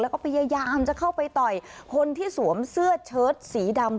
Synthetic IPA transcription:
lɛ˦˥wkɔː˥˩pʰa˧jaː˧jaː˧mt͡ɕa˨˩kʰa˥˩wpa˧jt̪ɔ˨˩jkʰo˧nt̪ʰiː˥˩su˩˦əmsɯ˥˩ət͡ɕʰɤː˦˥t̪̚siː˩˦da˧m

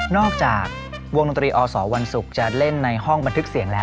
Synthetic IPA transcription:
nɔː˥˩k̚t͡ɕaː˨˩k̚ | wo˧ŋno˧nt̪ɾiː˧ʔɔː˧sɔː˩˦wa˧nsu˨˩k̚t͡ɕa˨˩le˥˩nːa˧jhɔ˥˩ŋba˧nt̪ʰɯ˦˥k̚si˨˩˦ŋlɛː˦˥

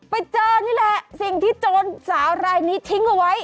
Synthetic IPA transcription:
pa˧jt͡ɕɤː˧niː˦˥lɛ˨˩ʔsi˨˩ŋt̪ʰiː˥˩t͡ɕoː˧nsaː˩˦wɾaː˧jniː˦˥t̪ʰi˦˥ŋʔa˧wa˦˥j

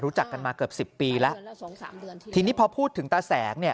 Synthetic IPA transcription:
ɾuː˦˥t͡ɕa˨˩kːa˧nmaː˧kɤ˨˩p̚si˨˩pːiː˧lɛ˦˥ʔ | t̪ʰiː˧niː˦˥pʰɔ˧pʰuː˥˩t̪ʰːɯ˩˦ŋt̪aː˧sɛː˩˦ŋ̚ni˥˩ə

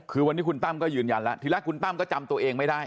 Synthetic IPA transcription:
kʰɯː˧wa˧niː˦˥kʰu˧nt̪a˥˩mkɔː˥˩jɯː˧nja˧nlɛ˦˥t̪ʰɯː˨˦lɛ˦˥kʰu˧nt̪a˥˩mkɔː˥˩t͡ɕa˧mt̪u˧ɐʔeː˧ŋma˥˩jda˥˩j

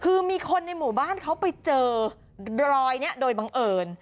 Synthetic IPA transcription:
kʰɯː˧miː˧kʰo˧nːa˧jmuː˨˩˦baː˥˩˨nkʰa˦˥wpa˧jt͡ɕɤː˧ | ɾɔː˧jni˦˥˩ɐdoː˧jba˧ŋʔɤː˧n

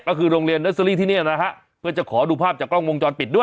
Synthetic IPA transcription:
kɔ˥˩kʰɯː˧ɾoː˧ŋɾi˧ənːe˦˥sa˧liː˥˩t̪ʰiː˥˩ni˥˩na˦˥kʰa˦˥ʔ | pʰɯ˥˩ɐt͡ɕa˨˩kʰɔː˩˦duː˧pʰaː˥˩p̚t͡ɕaː˨˩klɔ˥˩ŋwo˧ŋt͡ɕɔː˧npi˨˩t̪̚du˥˩

